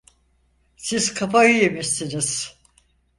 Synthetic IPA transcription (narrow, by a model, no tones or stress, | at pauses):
siz̥kʰapajyjemiɾsiniz̥